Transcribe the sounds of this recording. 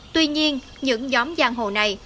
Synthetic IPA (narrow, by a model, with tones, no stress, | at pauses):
t̪wi˧ɲi˧ən | ɲɨ̰˧˥ŋzɔ˨˦mzaː˧ŋɦo̰˧˨na˨˩j